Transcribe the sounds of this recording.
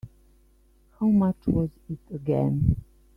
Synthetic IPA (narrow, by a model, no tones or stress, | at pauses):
haʊmʌt͡ʃwʌzɪtəɡɛ̰̃n